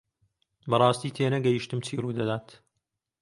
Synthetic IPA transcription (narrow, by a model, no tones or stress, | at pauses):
bɐrˤɑːst̪iːt̪ʰeːnɐɡɛjiʃt̪ɨmt͡ʃʰiːruːd̪ɐd̪aːt̪